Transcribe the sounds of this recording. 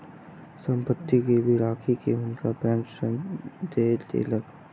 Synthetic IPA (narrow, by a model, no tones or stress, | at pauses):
sə̃mpət̪ːikeʋiɾaːkʰikeʊnkabɛ̃ŋksənd̪eːd̪ḛːlək